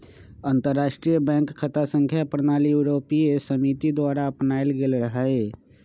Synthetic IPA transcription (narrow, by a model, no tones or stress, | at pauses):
ənt̪əɾːaːʃʈɾijəbɛ̃ːŋkkʰːət̪asə̃ŋkʰjapɾnaːlijuɾoːpiesəmit̪id̪waːɾaəpnaelɡelɾəɦəe